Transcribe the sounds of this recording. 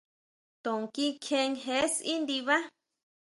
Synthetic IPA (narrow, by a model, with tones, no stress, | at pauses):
t̪õ˨ŋki˦kʰẽ˧ŋɦe˧˦si˦nd̪i˧βa˦